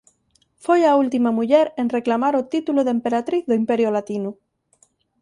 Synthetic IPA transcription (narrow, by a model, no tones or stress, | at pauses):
fojault̪imamuʎeɾenre̞klamaɾot̪it̪uloðempe̞ɾat̪ɾiθðoimpe̞ɾjolat̪inu